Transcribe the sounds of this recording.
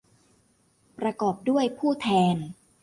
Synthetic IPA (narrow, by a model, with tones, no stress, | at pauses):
pɾa˧kɔː˨˩p̚du˥˩əjpʰuː˥˩t̪ʰɛː˧n